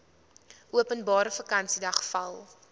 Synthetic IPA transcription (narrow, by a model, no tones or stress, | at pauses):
ʔuəpənbɑːɾəfəkɐnsidɐχfɐlˠ